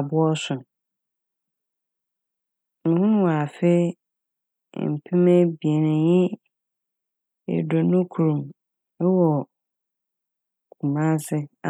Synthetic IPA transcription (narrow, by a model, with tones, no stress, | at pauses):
bʊ˦ɔ˦sʊ˨ | ŋ̩̃˨hʊ̃˦nʊ̃˦wa˨fe˦˨ | m̩˨pʰĩ˦mɛ̃˦bi˨e˨nɪ̃˨jɪ̃˦ | ḛ˨do˨nʊ̃˦kʰu˨ɾũ˨m | ɛ˦wɔ˨ | kʰũ˨mã˦sɪ˦a˨